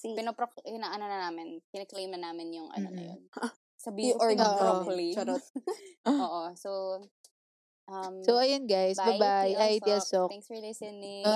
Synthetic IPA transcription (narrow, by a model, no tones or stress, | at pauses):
pɪnopɾokpɪnaʔɐnonɐnaːmɪnkɪnɛklejmnɐnaːmɪnjʊŋʔɐ̰nonɐ̰jo̰n | sɐbiɔɡoːʔokliɐɾ | oːʔosow | ʔɐmsowɐjonɡajsbɐbajʔajt̪iɐsokŋslisɛni